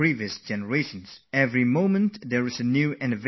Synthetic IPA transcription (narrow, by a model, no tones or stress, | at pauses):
ɹiviɨsd͡ʒɛnəɹeɪʃə̃nsɛvɹimõʊ̃mə̃ntðəɹɨzɨnjʉɪ̃nɨv